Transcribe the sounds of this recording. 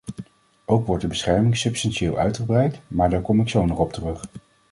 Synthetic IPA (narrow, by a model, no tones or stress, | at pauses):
ʔowkʋɔɹtdəbəsχɛɹmɪŋsɵpstɑnʃɪːlˠʔœ̰ɥtχəbrɛjktmaːɹdaːɹkɔmɪksownɔχɔp̚tərɵχ